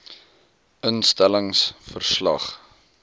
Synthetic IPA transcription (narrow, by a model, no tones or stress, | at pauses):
ʔənstæləŋsfərslɐ̰χ